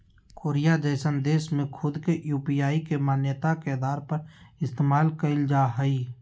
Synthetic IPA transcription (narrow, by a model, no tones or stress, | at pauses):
koːɾijad͡ʒəɪsə̃nd̪eːsmẽkʰʊd̪keʔjuːpijaːikemaːnjət̪akeːd̪aːɾpɐɾɪst̪eːmaːlkəɪld͡ʒaːɦəiː